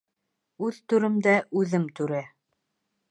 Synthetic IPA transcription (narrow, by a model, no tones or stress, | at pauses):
ʉðt̪ʉɾɘ̆md̪æʔʉðɘmt̪ʉɾæ